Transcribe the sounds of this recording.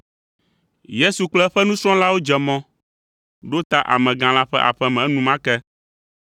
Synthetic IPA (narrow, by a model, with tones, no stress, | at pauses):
je˦su˨k͡plɛ˦ɸɛ˦nũ˦sɾ̃ɔ̃˦la˦wo˦d͡ʒɛ˨mɔ̃˦ | ɖo˦t̪a˦ʔa̰˨mɛ̃˨ɡã˨la˦ɸɛ̰˦ʔa̰˨ɸɛ˦mɛ̃˨˦nũ˨mã˦kɛ˦